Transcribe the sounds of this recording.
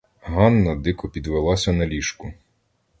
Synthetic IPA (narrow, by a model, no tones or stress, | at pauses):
ɦɑnːɐd̪ɪkɔpʲid̪ʋelˠɑsʲɐnɐlʲiʃkʊ